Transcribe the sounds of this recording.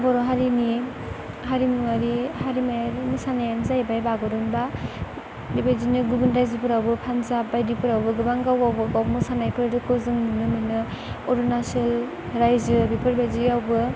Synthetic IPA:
bɔɾɔɦaɾini | ɦaɾimuŋaɾihaɾimajaɾnisanajanzajbajbaɡɔɾɔnba | dibajzinɯɡubɯnɾajzɯpɯɾawbɯpʰanzabajdipʰɯɾawbɯɡɯbaŋɡawɡawbɯɡawmɯsanajpʰɯɾdɯkɯzɯŋnunɯmɯjnɯ | ɔɾɔnasal | ɾajzɯbipʰɯɾbajziawbɯ

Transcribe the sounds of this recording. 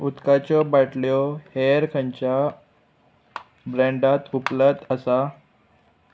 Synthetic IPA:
ut̪kat͡ɕɔbaʈljɔheɾkʰə̃ɲt͡ɕja | bɾə̃ɳɖat̪uplət̪əsa

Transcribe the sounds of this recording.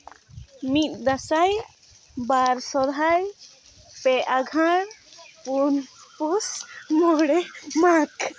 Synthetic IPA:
mit̪̚ˀd̪asaj | baɾsɔd̪ʱaj | pɛʔaɡʱaɽpunpusmɔɽɛmak

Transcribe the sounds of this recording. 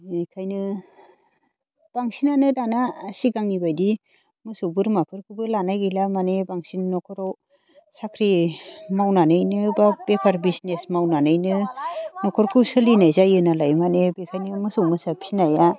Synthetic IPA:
bikʰajnɯ | b̥aŋsinanɯdanaːsiɡaŋibajdi | mɯsɯwbɯɾmapʰɯɾkʰɯbɯlanajɡilamanebaŋsinnɔkʰɔɾɔ | sakʰɾimawnanɯjnɯbab̥epʰaɾbisnesmawnanɯjnɯnɔkʰɔɾkʰɯwsɯlinajzajɯnalajmanebikʰajnɯmɯsɯwmɯsapʰinaja

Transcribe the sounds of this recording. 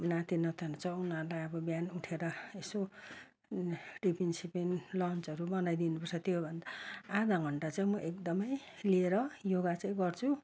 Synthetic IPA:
nat̪inʌt̪ʰenut͡sʰʌunʌɾlajʌbʌbjanuʈʰeɾʌeso | ɖipinsipenlʌnt͡sʌɾubʌnajd̪inupʌrt͡sʰʌt̪jobʱʌnd̪aad̪aɡʱʌɳʈat͡saĩmʌʔekd̪ʌmʌj | lieɾʌjoɡat͡sãĩɡʌrt͡sʰu

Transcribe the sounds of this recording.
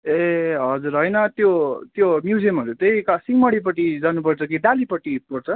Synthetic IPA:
eɦʌd͡zuɾɦʌjnʌt̪jot̪jomjud͡ziʌmɦʌɾut̪ejkasiŋmʌɽip̬ʌʈid͡zanupʌrt͡sʰʌkiɖalipʌʈːipʌrt͡sʰʌ

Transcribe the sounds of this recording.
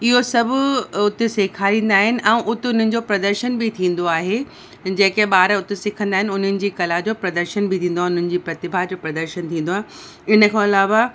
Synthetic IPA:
ɪɦosɐbʱʊʊt̪eseːkʰaːɾĩːn̆d̪aːɦɪnɪ̆ʔɛ̃ːʔʊt̪eʊn̤ənɪ̆d͡ʑoːpɾɐd̪əɾʃənbɪt̪ʰĩːn̆d̪oaːɦe | d͡ʑẽːkeɓaːɾəʊt̪esɪkʰə̃nd̪aːɦɪnɪʊn̤ənɪ̆d͡ʑiːkɐlad͡ʑoːpɾɐd̪əɾʃənbʱɪt̪ʰĩːnd̪oaɦʊn̤ənɪ̆d͡ʑiːpɾɐt̪ɪbʱad͡ʑoːpɾɐd̪əɾʃənt̪ʰĩːn̆d̪oaːɦ | ɪnə̆kʰãɐlaːʋa

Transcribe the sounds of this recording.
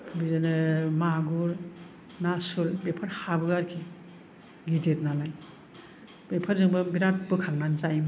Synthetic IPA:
bizanɯmaɡuɾ | nasulbepʰaɾhabɯɡaɾkʰi | ɡidet̚nalaj | bepʰaɾzɯŋbɯbiɾat̚bɯkʰaŋnanzajm

